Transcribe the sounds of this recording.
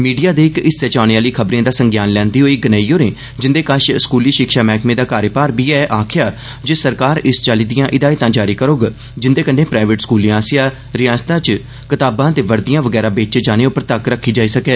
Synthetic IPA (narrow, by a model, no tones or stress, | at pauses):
miːɖijaːd̪eːɪkɪsːɛːt͡ʃaːneːaːliːkʰəbɾãːd̪aːsəŋɡjaːnlɛ̃ːnd̪iːɦoːiːɡənaːiːoːnẽː | d͡ʒɪnd̪eːkaʃskuːliːʃɪkʃaːmɛːkmẽːd̪aːkaːɾjəpaːɾbiːɛːʔaːkʰɪjaː | d͡ʒeːsəɾkaːɾɪst͡ʃaːliːd̪ijãːʔɪd̪aːiːt̪ãːd͡ʒaːɾiːkəɾoːɡ | d͡ʒɪnd̪eːkəɳːẽːpɾaːɪʋəʈskuːlĩːãːsɪjaː | ɾɪjaːst̪ãːt͡ʃ | kɪt̪aːbãːt̪eːʋəɾd̪ijãːʋəɡɛːɾaːbeːt͡ʃd͡ʒaːneːʊpəɾt̪əkɾəkʰːiːd͡ʒaːiːsəkɛː